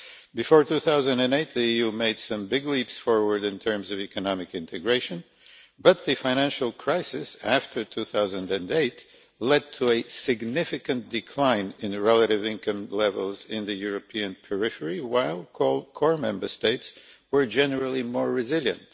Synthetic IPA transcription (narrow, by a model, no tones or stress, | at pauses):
b̥ɨfɔɹtʉθaʊzɨ̃ndɨ̃neɪt̪̚ðiijʉmeɪd̥sʌ̃mbɪɡlipsfɔɹwə˞dɨ̃ntʰɜ̃˞mzʌvikɨnɑmɨkɪ̃ntʰɨɡɹeɪʃɨ̃n | bʌt̪̚ðɨfãɪñæ̃nʃl̩ˠkʰɹ̥aɪsɪsæftʰə˞tʰuθaʊzɨ̃ndɨ̃neɪt | lɛd̚tʰəɨsɨɡnɪfɨkɨ̃nd̥ɨkʰl̥ãɪ̃nɪ̃nɹɛlˠəɾɨvɪ̃nkʰʌ̃mlɛvəlˠzɪ̃nðɨjʊɹɨpʰiɨ̃npʰɛɹɪfə˞iwaɪlˠkʰɔkʰɔɹmɛ̃mbə˞steɪtswə˞d͡ʒɛnə˞əl̩ˠimɔɹːɨzɪlˠjɨ̰̃nt